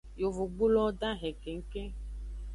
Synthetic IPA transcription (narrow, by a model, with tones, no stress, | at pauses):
jo˨vo˨ɡ͡bu˦lɔ˦dã˦ɦɛ˨ke˨ŋ̩˦ke˦